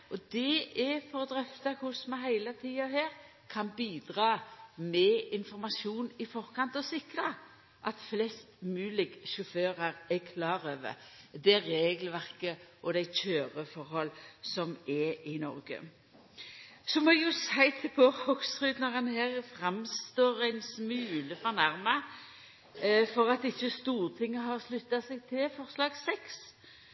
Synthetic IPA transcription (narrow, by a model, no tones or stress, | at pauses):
ʔɔd̪ɛʔɛfɔʁd̪ɾœft̪ɑkʰʊsmæɦæɪlət̪ʰiːɑheːɾ | kʰɑnbiːd̪ʁɑːmɛɪnfɔɾmɑsuːnɪfɔʁkɑnt̪ɔsɪkɾə | ʔɑt̪flɛst̪mʉːlɪɡʃʊføːɾəɾɛkʰlɑːɾøːʋə̰d̪ɛɾeːɡlʋæʁkəʔɔd̪æɪt͡ʃøːʁəfɔɾhɔlsɔmɛɪnɔ̰ɾɡə̰ | sɔmɔjʊsæɪt̪ʰɪlpʰohɔksʁʉːd̪nɔʁɑnhæːʁfʁɑmst̪oːɾæɪnsmʉːləfɔʁnæʁmɑ | fɔʁɑt̪ɪçːəst̪uːʁt̪ʰɪŋːəɦɑʁslʉt̪ːɑsɛɡ̚t̪ʰɪlfɔʁslɑːɡsɛks